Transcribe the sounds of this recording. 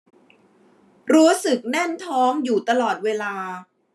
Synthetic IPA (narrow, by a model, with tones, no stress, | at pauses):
ɾuː˦˥sɯ˨˩k̚nɛ˥˩nt̪ʰɔː˦˥ŋjuː˨˩t̪a˧lɔː˨˩t̪̚weː˧laː˧